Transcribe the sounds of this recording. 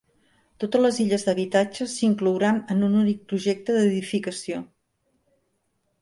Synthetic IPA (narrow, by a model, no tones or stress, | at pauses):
t̪ot̪əzləziʎəzðəβit̪ad͡ʒəsiŋkluwɾanənununik̚pɾuʒek̚t̪əðəðifikəsio